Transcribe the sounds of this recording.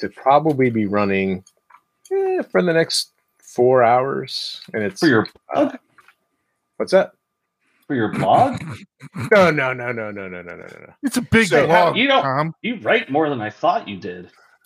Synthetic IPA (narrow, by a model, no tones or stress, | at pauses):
tʰɨpʰɹ̥ɑbəblibiɹʌnɪ̃ŋ | jæfə˞ðɨnɛkst̚ | fɔɹaʊə̰˞z̥ɨ̃nɨtsə˞jə˞bʌɡ | wʌtsðæt̚ | fə˞jə˞bɑɡ | noʊnoʊnoʊnoʊnoʊnoʊno̰ʊno̰ʊn̰ʊno̰ʊɨtsəbɪɡɔjɨõɑ̃mjɨɹaɪt̚mɔɹðə̃naɪθɔt͡ʃɨdɪd̥